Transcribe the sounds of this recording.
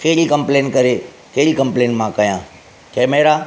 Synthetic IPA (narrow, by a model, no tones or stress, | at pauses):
keːɾikɐ̃mpleːnkɐɾe | keːɾikɐ̃mpleːnmãkɐjãː | kɛːmeːɾaː